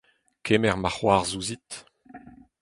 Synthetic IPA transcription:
kʰemɛʁmaχwaːʁzuzit̪

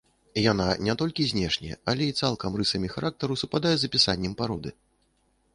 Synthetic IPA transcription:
jananʲɛt̪ɔlʲkʲizʲnʲɛʂnʲɛ̰jɛ̰ɐlʲɛit̪salˠkɐmrɨsɐmʲixaɾʔak̚t̪ɐɾusupad̪ajɛzɐpʲisanʲːɛmpaɾɔd̪ɨ

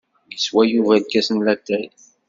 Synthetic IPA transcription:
jəswæjuvælkːæsənlæt̪ːæj

